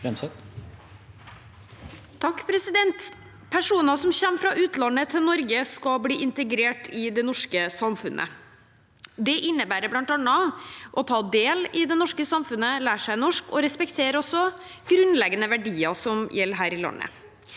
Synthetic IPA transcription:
ɛnsɛ | t̪ʰɑkːpʰɾɛsɪd̪ɛnt̪ | pʰæʂuːnəsɔmçɛmːfɾɑʔʉːt̪lɑnːət̪ʰɪlnɔɾɡəskɑbliːʔɪnt̪əɡɾeːʈɪd̪ɛnɔʂkəsɑmfʉnʔə̰ | d̪ɛʔɪnːəbæːɾəblɑnt̪ɑnːɑʔɔt̪ʰɑːd̪eːlɪd̪ɛnɔʂkəsɑmfʉnəlæːʂæɪnɔʂkɔɾɛspɛkt̪ʰeːəɾɔsɔ | ɡ̥ɾʉnlɛɡənəʋæɖiːɑsɔmjɛlːəɾɦæːɾɪlɑ̰nːə̰

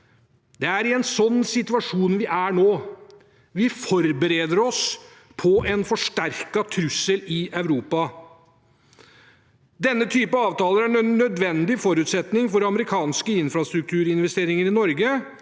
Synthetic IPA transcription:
d̪̥ɛæɾɪɛnsɔnːsɪt̪ʉɑʂuːnʋɪʔæɳoː | ʋɪfɔɾbəɾeːd̪əɾɔs | pʰɔʔɛnfɔʂʈæɾkɑt̪ʰɾʉsːəlɪʔœʉɾuːpɑ | d̪ɛnːət̪ʰyːpəɑːʋt̪ɑːləɾæɳːœd̪ʋɛnd̪ɪfɔɾʉːt̪sɛt̪nɪŋfɔɾɑməɾɪkʰɑːnskəɪnfɾɑst̪ɾʉk̚t̪ʰʉːɾɪnʋɛst̪eːɾɪŋəɾɪnɔɾɡə

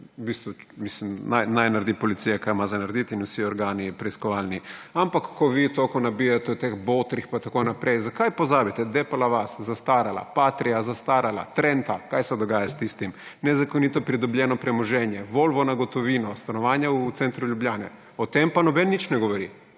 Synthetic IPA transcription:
ubist̪ʋumislimnajnajnaɾd̪ipɔlit̪sijakajmazanaɾd̪it̪inwsiɔɾɡaːnipɾɛiskɔʋaːlniampakːɔʋiːt̪okonabijat̪ɛut̪exboːt̪ɾixpat̪akonapɾejzakajpɔzaːbit̪ɛd̪ɛpalaʋaszast̪aːɾala̰pat̪ɾijazast̪aːɾala̰t̪ɾɛnt̪akajsɛd̪ɔɡaːjast̪ist̪imnɛzakonit̪ɔpɾid̪ɔbʎʲjɛːnɔpɾɛmɔʒɛnjɛʋolʋɔnaɡɔt̪ɔʋiːnɔst̪anɔʋaːnjaut̪sɛnt̪ɾuʎjublaːnɛ̰ | ɔt̪empanɔbɛnːit͡ʃnɛɡoʋɔɾi

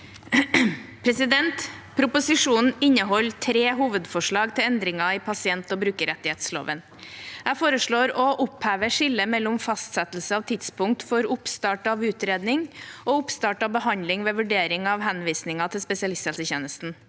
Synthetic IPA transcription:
pʰɾɛsɪd̪ɛnt̪pʰɾʊpʊsɪʂuːnn̩ɪnːəɦɔlt̪ʰɾeːɦuːʋəd̪fɔʂɭɑːɡt̪ʰɪlɛnd̪ɾɪŋɑɪpʰɑsɪɛnt̪ɔbɾʉːkəɾɛt̪ːɪheːt̪slo̰ːʋən | jæɪfoːɾəʂɭoːɾɔʔʊpheːʋəʂɪlːəmɛlːʊmfɑst̪sɛt̪l̩səɑːʋt̪ʰɪt̪spʊŋk̚t̪fɔɾʊpst̪ɑːʈɑʋʉːt̪ɾeːd̪nɪŋɔʊpst̪ɑːʈɑʋbəhɑnd̪lɪŋʋeːʋʉɖeːɾɪŋɑʋhɛnʋiːsnɪŋɑt̪ʰɪlspɛsɪɑlɪst̪ɛlsəçeːnəst̪n̩

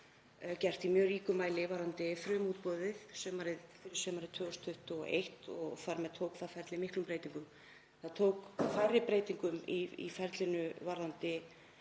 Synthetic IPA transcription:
cɛr̥t̪imjœːriːkʏmaːjlɪvaɾðant̪ɪfɾœːmuːt̪̚pɔðɪðsɛmaːɾɪðfɪɾɪ̥sɛmaɾɪðt̪ʰvœːɣɔst̪ʰʏht̪ʏɔ̰ʔḛjht̪ɔɣfaɾmɛðt̪ʰoːwkfaɾfɛɾt̪lɪimɪhklʏmpɾeːjt̪iŋkʏm | θaðt̪ʰowkfaːjɾɪpɾeːjt̪iŋkʏmiḭfɛɾt̪lɪnʏvaɾðant̪ɪ

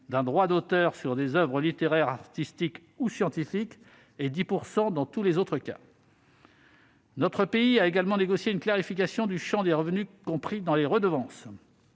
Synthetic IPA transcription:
d̪ɛ̃d̪ʁwad̪ot̪œʁsyʁd̪ezœvʁəlit̪eʁɛʁaʁt̪ist̪ik | usjɑ̃t̪ifik | ed̪ipuʁsɑ̃d̪ɑ̃t̪ulezot̪χəka̰ | nɔt̪χəpeiaeɡalmɑ̃neɡɔsjeynklaʁifikʲasjɔ̃d̪yʃɑ̃d̪eʁəvnykɔ̃pχid̪ɑ̃leʁəd̪əvɑ̃s

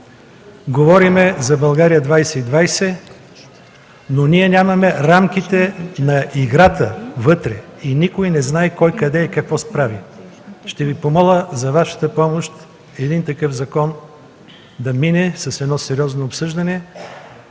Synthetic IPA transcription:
ɡovɔɾimɛzɐbɐlˠɡaɾijəd̪vajsɛid̪vajsɛ | noniɛnʲamɐmɛɾamk̟it̪ɛnɐiɡɾat̪əvɤt̪ɾɛinikojnɛznaɛkɔjkɐd̪ɛːkɐkvɔspɾavi | ʃt̪ɛvipomɔlʲˠəzɐvaʃɐ̥t̪əpɔmoʃt̪ | ɛd̪int̪ɐkɤfzɐkɔn | d̪ɐminɛsɐsɛd̪nɔsɛɾiɔznoːpsɤʒd̪ɐnɛ

